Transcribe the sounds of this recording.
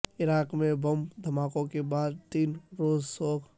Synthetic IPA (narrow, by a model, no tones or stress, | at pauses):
ɪɾaːkmẽbəmd̪ʱəmaːkõkebaːd̪̚t̪iːnɾoːzsoːkʰ